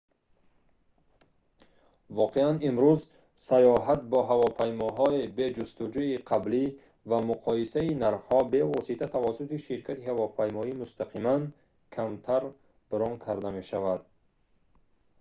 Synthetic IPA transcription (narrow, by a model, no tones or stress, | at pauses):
vɔqʰeanimɾuz | sajɔɦat̪̚bɔɦavɔpʰajmɔɦɔibe̞d͡ʒust̪ud͡ʒuiqʰabli | vamuqʰɔjisainaɾfhɔbe̞vɔsit̪ʰat̪ʰavasut̪iʃiɾkʰat̪ihavɔpʰajmɔimust̪ʰaqʰiman | kʰamt̪ʰaɾ | b̥əɾɔŋkʰaɾd̪ame̞ʃavad̪̚